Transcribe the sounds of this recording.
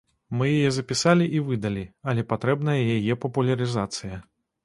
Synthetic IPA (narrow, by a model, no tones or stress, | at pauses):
mɨjajɛzɐpʲisalʲiʔivɨd̪ɐlʲiɐlʲɛpat̪ɾɛbnɐjɐjajɛpɐpulʲɐɾɨzat̪sɨjɐ